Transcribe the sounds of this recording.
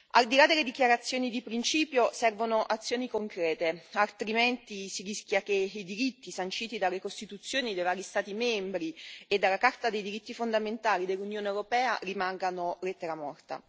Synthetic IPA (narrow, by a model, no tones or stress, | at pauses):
a̰ld̪ilad̪ːelːed̪ikjaɾat̪sːjoːnid̪ipɾint͡ʃiːpjosɛrvonoʔat̪sːjoːnikoŋkɾɛːt̪ealt̪ɾimɛnt̪isirisk̟jak̟eid̪iɾit̪ːisant͡ʃiːt̪id̪alːekost̪it̪ut̪sːjoːnid̪ejvaːɾist̪aːt̪imɛmbɾied̪ːalːakart̪ad̪ejd̪iɾit̪ːifond̪ament̪aːlid̪elːunjoːneewɾopɛːarimaŋɡanolet̪ːeɾamɔrt̪a̰